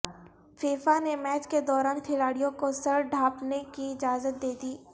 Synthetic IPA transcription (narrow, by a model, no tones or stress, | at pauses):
feːfanemɛːt͡ʃked̪ɔːɾaːnkʰɪlaːɽijõkosɐɾɖʱaːpnekiɪd͡ʒaːzət̪̚d̪eːd̪iː